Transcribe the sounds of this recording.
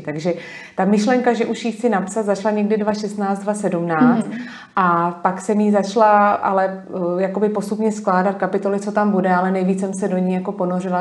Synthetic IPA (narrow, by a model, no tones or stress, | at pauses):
t̪aɡʒɛ | t̪amɪʃlɛŋkaʒɛʔuʃjiːxt͡sɪnapsat̪zat͡ʃlaɲɛɡdɪdvaʃɛst̪naːt͡st̪dvasɛdumnaːt͡st͡st̪ | ʔapaksɛmjizat͡ʃlaʔa̰lɛjako̞bɪpo̞st̪upɲɛsklaːdat̪̚kapɪt̪o̞lɪt͡so̞t̪ambudɛalɛnɛjviːt͡ssɛmsɛdo̞ɲiːjako̞po̞norɪla